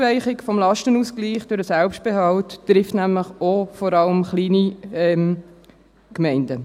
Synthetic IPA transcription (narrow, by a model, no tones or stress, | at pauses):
væɪχɪkfɔmlɑʃtənuːsɡliːχd̥ʊɾdəsɛlpʃt̚b̥eɦɑlttːɾɪftnæmləχofɔɾɑləmχliːniɛm | kmɛɪndə